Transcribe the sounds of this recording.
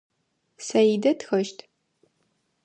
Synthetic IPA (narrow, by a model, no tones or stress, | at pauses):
sɐjidɐtxɐʃtʰ